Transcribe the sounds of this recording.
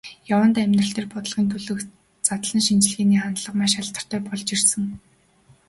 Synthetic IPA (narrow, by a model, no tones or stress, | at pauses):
jawə̆nt̪æmʲnrə̆ɬt̪eːrpɔt̪ə̆ɮʁiːnt̪ʰɵɮɵ̆k | t͡sat̪̆ɮə̆nʃint͡ɕɮɣeːniːχant̪ɮə̆qmaːʃaɬt̪ə̥̆r̥t̪æːpɔɮt͡ɕirsɘ̆ŋ